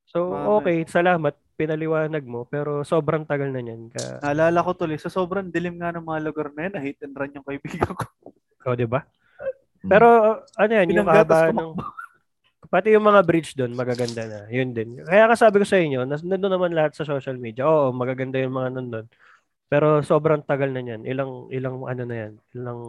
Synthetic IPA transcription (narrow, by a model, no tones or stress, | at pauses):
so̞ʔo̞ːkɛjsɐlaːmɐt̪̚pɪnɐlɪwaːnɐɡ̚mo̞pɛːɾo̞so̞ːbɾɐŋt̪ɐɡalnɐɲankɐ̰ɐʔɐlaːlɐkot̪ʊlɪjsɐsoːbɾɐnd̪ɪlɪmŋanɐŋmɐŋalʊɡaɾnɐjɐnɐhiːt̪ɪnɾɐnjʊŋkɐʔɪbiːɡɐko̥ | ʔod̪ɪba | pɛːɾo̞ʔɐnojanjʊŋkɐɡɐbaːhɐnɐŋ | pɐt̪ɛjʊŋmɐŋabɾit͡ʃd̪o̞nmɐɡaɡɐnd̪anɐjʊnd̪ɛnkɐjaːŋɐsaːbɪko̞sɐʔɪɲːo̞nɐnɐd̪onːɐmanlɐhat̪̚sɐso̞ːʃɐlmiːd̪jɐʔo̞ːʔomɐɡaːɡɐnd̪ajʊŋmɐŋanɐnd̪o̞n | pɛːɾo̞so̞ːbɾɐŋt̪ɐɡalnɐɲanʔɪ̰lɐŋʔɪ̰laŋʔɐ̰no̞nɐjanɪlɐŋ